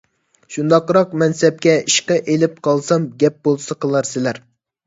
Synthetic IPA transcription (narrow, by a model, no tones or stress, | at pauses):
ʃund̪ɑqɾɑqmɛnsɛp̚kʲɛiʃqɑʔelɪp̚qʰɑlˠsɑmɡʲɛp̚bolˠsɑqʰəlˠɑɾsɪlæɾ